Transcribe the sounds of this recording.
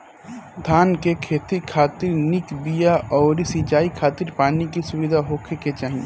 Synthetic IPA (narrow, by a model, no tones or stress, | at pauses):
d̪ʱaːnkekʰeːt̪ikʰaːt̪ɪɾnɪkbijaʔɔːɾisit͡ʃaːikʰaːt̪ɪɾpaːnikisʊʋɪd̪ʱaɦoːkʰeket͡ʃaːɦĩe